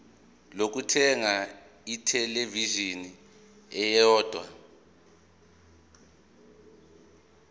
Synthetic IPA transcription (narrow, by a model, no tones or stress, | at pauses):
lok̬utʰɛŋa | itʰɛleviʒini | ɛjɔːd̥ʱwa